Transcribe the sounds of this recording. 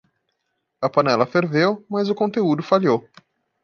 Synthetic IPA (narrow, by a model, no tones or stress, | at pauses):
ɐpɐnɛlɐfeɾvewmɐzʊkõnt̪eud̪ʊfaʎow